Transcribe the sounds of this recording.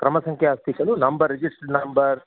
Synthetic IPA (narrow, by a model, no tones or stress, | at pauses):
kɾɐmɐsɐŋkʰjaaːst̪ikɐlunɐmbɐɾːid͡ʒiʂʈɐɖnɐmbɐɾ